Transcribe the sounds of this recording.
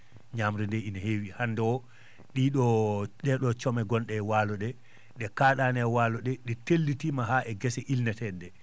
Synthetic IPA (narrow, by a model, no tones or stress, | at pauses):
ɲamɾɛndɛinahewihanːdɛwɔ | ɗiɗɔɗɛɗɔt͡ʃɔmɛɡɔnɗɛwaːlɔɗɛ | ɗɛkaːɗanɛwalɔɗɛɗɛtelːitimaɦaʔɛɡɛsɛʔilnɛtɛdɛ